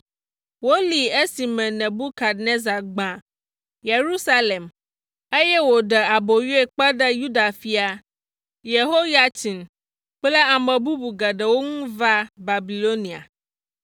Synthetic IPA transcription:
wo˦li˨e˦si˨mɛ̃˨nɛ̃˨bu˦ka˨dne˦za˨ɡ͡bã˨ | je˨ɾu˦sa˦le˨m | e˦jɛ˦wo˨ɖɛ˨a˨bo˨ju˦e˦˨k͡pɛ˦ɖə˦ju˦da˨fi˨a˨ | je˨ɦo˦ja˨tʰi˨n | k͡plɛ˦a˨mɛ̃˨bu˦bu˨ɡɛ˨ɖə˨wo˦ŋũ˦va˦ba˨bi˨lo˦nĩ˨a̰˨

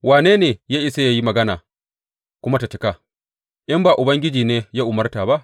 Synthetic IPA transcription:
waː˨neː˦neː˨jaː˦ʔɪ˨sa˦ja˦ji˦mɐ˨ɡɐ˦na̰ː˨ | kʷʊ˦ma˦ta˨t͡ʃɪ˦ka˨ | ʔɪ˦mbaː˨ʔʊ˨bɐ˦ŋɡʲɪ˦d͡ʒiː˨neː˦jaː˦ʔʊ˨mɐ˦rtaː˨ba˦ʔ

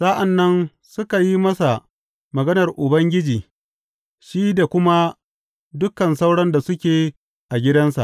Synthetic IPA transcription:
sa˦ʔa˨nːɐ˦n | sʊ˦ka˨ji˦mɐ˦sa˨ | mɐ˨ɡɐ˦nɐ˨rʔʊ˨bɐ˦ŋɡʲɪ˦d͡ʒiː˨ | ʃiː˦da˨kʷʊ˦ma˦ | dʊ˦kɐ˨nsa˦wɽɐ˦nda˨sʊ˦kʲeː˨ | ʔa˨ɡʲɪ˦dɐ˦nsa̰˨ʔ

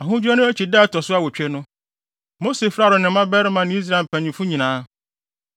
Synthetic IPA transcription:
a˨ɦʊ̃˦d͡ʑᶣu˦a˦nʊ̃˦æ˦t͡ɕʰi˨daː˦˨tʰɔ˨sʊ˦a˦wɔ˨t͡ɕᶣɛ˦nʊ̃˦ | mo˦se˨fɾa˦˨ɾʊ˨nɪ̃˨˦mã˦bɛ˦ɾɪ˦mã˨nɪ̃˦i˦s̬ɾa˨m̩˨pʰæ̃˨ɲĩ˨fʊ̃˦ɲĩ˨nãː˦

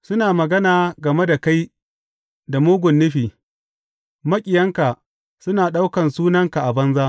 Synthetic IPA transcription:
sʊ˦naː˨mɐ˨ɡɐ˦naː˨ɡɐ˨me˦da˨ka˦j | da˨moː˦ɡʷʊ˨nːʊ˦ɸiː˨ | mɐ˦kʲʼɪ˨jɐ˦ŋka˨ | sʊ˦naː˨ɗa˦wkɐ˨nsuː˦nɐ˦ŋka˨ʔa˨bɐ˦nzaː˦ʔ

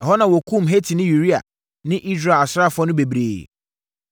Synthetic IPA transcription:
hɔ˦nã˨wɔ˨kʰũ˦˨mɦe˦tʰi˨nɪ̃˦ju˨ɾi˦a̰˨ | nɪ̃˦ʔi˦sɾe˦˨a˨sɾa˦˨fʊ˦ɔ˦nʊ̃˦be˨bɾeː˨

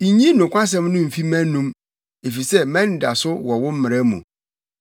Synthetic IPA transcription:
i˨ɲĩ˦nʊ̃˨kʷã˦s̬ɛ̃˦mnʊ̃˦m̩˨fi˦mæ̃˦nũ˦m | e˨fi˨sɛ˦mɛ̃˦n˦da˨sʊ˦wɔ˨wʊ˦m̩˦mɪ̃˨ɾɛ˦mṵ̃˨

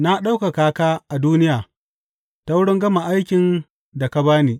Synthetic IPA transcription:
na˦ɗa˦wka˨kaː˦kaː˦ʔa˨duː˦nɪ˦jaː˨ | ta˦wʊ˦ɽɪ˦ŋɡɐ˦ma˨ʔa˦jkʲɪ˨n | da˨ka˦baː˦niː˨

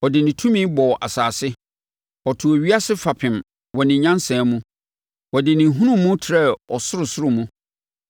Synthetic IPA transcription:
wɔ˨dɪ˨nɪ̃˨tʰũ˦mĩ˦bɔ˨ʔa̰˨saː˨sɪ˦ | ɔ˨tʰʊ˨ɔ˨ɥi˦a˦sɪ˦fa˨pʰɪ̃˨m | wɔ˨nɪ̃˨ɲã˦nsɛ̃˨mũ˦ | wɔ˨dɪ˨nɪ̃˨ɦũ˦nʊ̃ː˦ũ˦tʰɪ˨ɾɛ˦˨ɔ˨sʊ˦ɾʊ˨sʊ˦ɾʊ˨mũ˦

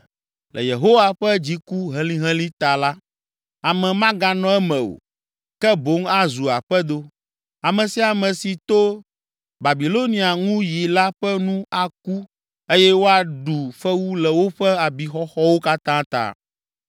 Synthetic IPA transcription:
lʔɛ̰˨je˨ɦo˦wa˦ɸɛ˦d͡ʑi˨ku˦ɦɛ̃˦lĩ˦ɦɛ̃˦lĩ˦t̪a˨la˦ | a˨mɛ̃˨mã˦ɡa˨nɔ̃˦ɛ˦mɛ̃˨o̰˨ | kɛ˦bo˦ŋa˦zu˨a˨ɸɛ˦d̪o˦ | a˨mɛ̃˨si˦a˨mɛ̃˨si˨t̪o˦ | ba˨bi˨lo˦nĩ˨a˨ŋũ˦ji˨la˦ɸɛ˦nũ˦a˨k̚u˦ | e˦jɛ˦wo˦a˨ɖu˨ɸɛ˦wu˦lɛ˨wo˦ɸɛ˦a˨bi˨xɔ˦xɔ˦wo˦ka˦t̪ã˦t̪a̰˦˨

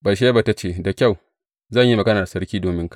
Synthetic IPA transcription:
bɐ˨ʃ̬e˦ba˨ta˦t͡ʃeː˦˨da˨kʲa˦˨w | zɐ˦˨ɲji˦mɐ˨ɡɐ˦naː˨sɐ˦ɾkʲiː˦doː˨mɪ˦ŋkḁ˨

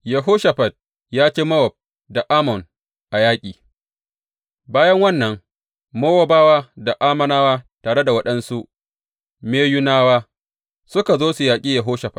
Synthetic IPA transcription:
jɐ˨ɦoː˦ʃɐ˨ɸɐ˨d̚ | jaː˦t͡ʃeː˦mɐ˦wɔ˨b̚ | da˨ʔaː˦mɔ˨n | ʔa˨jaː˦kʲʼiː˨ | baː˦jɐ˦ŋwɐ˦nːɐ˨ŋ | moː˦wa˦baː˦waː˦da˨ʔaː˦mɐ˦naː˦waː˦taː˨ɽe˦da˨wɐ˦ɗɐ˦nsu˦ʔ | meː˦jʊ˦naː˦waː˦ | sʊ˦ka˨zoː˦su˨jaː˨kʲʼiː˦jɐ˨ɦoː˦ʃɐ˨ɸɐ˨

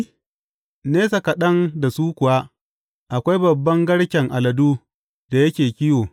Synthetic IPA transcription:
neː˦sa˨kɐ˨ɗɐ˦nda˨suː˦kʷʊ˨wa˦ | ʔa˨kʷa˦jbɐ˨bːɐ˦ŋɡɐ˦ɽkʲɛ˨ŋʔa˨lɐ˨duː˦ | d̥a˨jɐ˦kʲeː˨kʲɪ˦joː˨

